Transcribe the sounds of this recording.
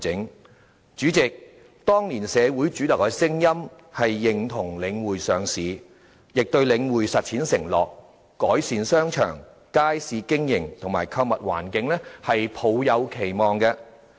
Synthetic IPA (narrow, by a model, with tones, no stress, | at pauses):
ɪ˨˥ŋ | t͡ʃyː˨˥t͡sɪ˨k̚ | t̪ɔː˥ŋliː˨˩nsɛː˨˧wu˨˥jt͡ʃyː˨˥lɐ˨˩kːɛ˧sɪ˥ŋjɐ˥m | hɐ˨jːɪ˨ŋt̪ʰʊ˨˩ŋlɪ˨˧ŋwuː˨jsœː˨ŋsiː˨˧ | jɪ˨k̚t̪ɵ˧ɥlɪ˨˧ŋwuː˨˩jsɐ˨t̚t͡sʰiː˨˥nsɪ˨˩ŋlɔ̰ː˨˩kː | ɔː˨˥jsiː˨˧nsœː˥ŋt͡ʃʰœ̰ː˨˩ŋ | kaː˥jsiː˨˧kɪ˥ŋjɪ˨˩ŋt̪ʰʊ˨˩ŋmaː˨˩jkʰɐ˧wmɐ˨t̚wa̰ː˨˩nkɪ˨˥ŋlɛː˥hɐ˨jpʰo˨˧wjɐ˨˧wkʰe˨˩jmɔː˨˩ŋkɛ˧